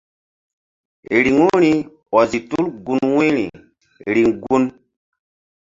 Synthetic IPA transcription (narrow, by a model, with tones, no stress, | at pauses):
ɾi˨ŋu˦ɾi˨ | wɔ˨zi˨tu˦lɡu˨nwe˦ɾḭ˨ | ɾi˨ŋɡu˦n